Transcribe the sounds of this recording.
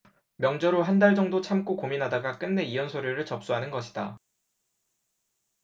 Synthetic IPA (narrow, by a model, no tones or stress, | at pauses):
mjʌŋd͡ʑʌɾoɦandaɭd͡ʑʌŋdot͡ɕʰamk͈okominɦadaɡak͈ɯnːe̞iʌnsʰoɾjiɾɯɭt͡ɕʌp̚s͈uɦanɯnɡʌɕʰi̥d̥a